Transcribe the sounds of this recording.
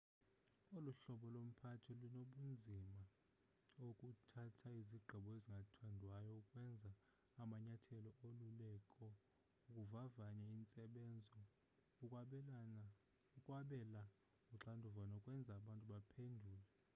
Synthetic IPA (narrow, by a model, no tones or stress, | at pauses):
uluɬɔɓɔlom̩pʰatʰɛlunoɓund͡zʱima | okʼutʰatʰaiziɡ͡ǃʱiɓɔeziŋɡʱatʰandʱwajɔukʼwɛnd͡zʱaː | maɲatʰɛlɔʔolulɛkʼɔ | ukʼuvavaɲaint͡sʼɛɓɛnd͡zʱɔ | ukʼwaɓɛla | uǁandʱuvanaukʼwɛnd͡zʱaːɓantʼuɓapʰendʱuːlɛ